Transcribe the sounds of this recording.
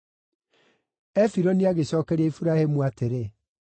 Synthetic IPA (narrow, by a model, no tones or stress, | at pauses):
ɛfiɾɔniaɣeɕɔːkɛɾaifuɾahemuateɾe